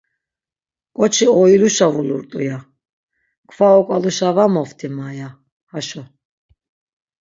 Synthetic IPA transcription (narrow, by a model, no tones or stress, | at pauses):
kʼɔt͡ʃʰiɔiluʃavuluɾt̪ʼuja | kʰvaɔkʼaluʃavamɔft̪ʰimaja | haʃɔ